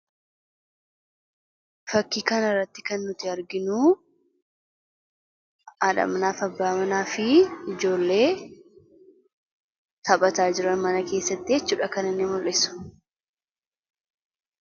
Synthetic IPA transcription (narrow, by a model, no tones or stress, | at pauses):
fɐkːiːkɐnɪrːɐt̪ːɪ̥kɐnːʊt̪ɪɐɾɡɪnuː | aᶑ̪ɐ̰mnaːfɐbːaːmɐnaːfɪɪd͡ʒo̞ːlːe̞ː | t̪ʰɐpʼɐt̪aːd͡ʒɪɾɐnmɐnɐke̞ːsːɐt̪ːɪet͡ʃːuːᶑɐkɐnɪnːɪmʊlʔɪsʊ̥